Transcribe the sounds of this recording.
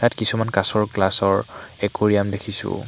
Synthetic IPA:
tatkisumankasɔɹklasɔɹɛkoɹijamdekʰisʊ̰̃

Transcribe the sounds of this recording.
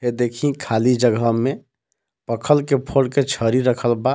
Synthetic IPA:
ɦed̪ekʰĩkʰalid͡ʒəɡʱəme | pəkʰəlkepʰoɽket͡ʃʰəɾiɾəkʰəlba

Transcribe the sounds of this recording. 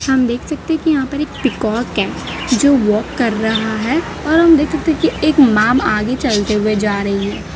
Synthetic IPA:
hɐmd̪eːkʰsɐk̚t̪eɦɛ̃kijɐɦãpɐɾeːk̚pɪkɔːɾkɛːd͡ʒoːʋɔːkːɐɾːɐɦaɦɛ | ɔːɾɦɐmd̪eːkʰsɐk̚t̪eɦkieːkmaːmaːɡet͡ʃɐlt̪eɦʊed͡ʒaːɾɐɦiɦɛː

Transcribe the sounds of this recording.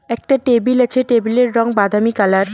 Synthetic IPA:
ɛk̚ʈaʈebilat͡ɕʰeʈebileɾːɔŋbad̪ʱamikalaɾ

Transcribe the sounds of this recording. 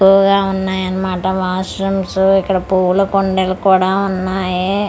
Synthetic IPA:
uːɡaːunːaːjɐnːɐmaːʈɐmaːsɾɐmsuikːɐɽɐpuːlukoɳɖelkuːɽaːunːaːje

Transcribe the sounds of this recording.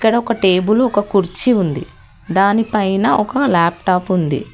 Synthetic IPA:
ikːɐɽɐɔkɐʈe̞ːbulɔkɐkuɾt͡ʃiund̪i | d̪aːnipɐjnɐʔɔkɐlaːpʈaːpund̪ḭ

